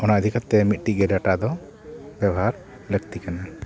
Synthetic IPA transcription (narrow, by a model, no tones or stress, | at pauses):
ɔnaəd̪ʱikat̪ːɛmit̪̚ʈiɡɛɖaʈad̪ɔ | bjɛbaɾ | ləkt̪ikana